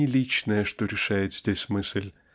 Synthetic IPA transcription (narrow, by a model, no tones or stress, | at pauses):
ɪlʲit͡ɕnəjəʂt̪oɾʲɪʂajɪt̪zʲdʲesʲmɨsʲlʲ